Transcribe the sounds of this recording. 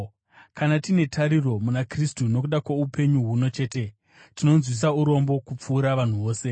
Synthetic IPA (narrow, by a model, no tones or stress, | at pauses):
kanatine̞tʰaɾiro̞munakristuno̞k̬uɗakwaupe̞ɲuɦuno̞t͡ʃe̞ːte̞ | tino̞nzwis̬auɾo̞mbo̞kup͡fuːɾaʋan̤uʋo̞ːse̞